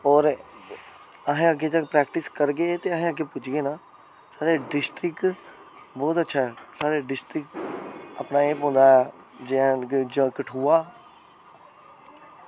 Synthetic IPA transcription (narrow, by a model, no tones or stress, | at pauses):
ɔːɾ | əɦẽəɡːeːt̪əkpɾɛːkʈɪskəɾɡeːt̪eːəɦẽːəɡeːpʊt͡ʃɡeːnaː | saːɾeːɖɪsʈɾɪk | bɔːt̪ətːʃʰaːɛːsaːɾeɖɪsʈɾɪkʈəpnaːẽːpɦõːnd̪aːɛ | d͡ʒẽd͡ʒəkəʈʰuːaː